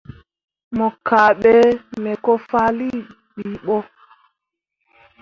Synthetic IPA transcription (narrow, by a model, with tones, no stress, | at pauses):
mɔ˨ka˨ɓɛ˦mɛ˨kɔ˦fa˦li˦ | ɓiː˨ɓɔ˦